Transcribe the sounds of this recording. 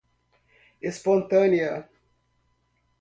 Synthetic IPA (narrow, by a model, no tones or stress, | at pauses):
espõnt̪ɐ̃niɐ